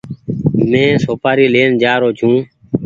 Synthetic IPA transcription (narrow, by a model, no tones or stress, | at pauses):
mẽːsoːpaːɾiːleːnd͡ʒaːɾoːt͡ʃʰũː